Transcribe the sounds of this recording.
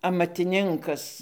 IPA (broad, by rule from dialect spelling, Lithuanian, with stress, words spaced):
ɐmɐtʲɪˈnʲɪŋkɐs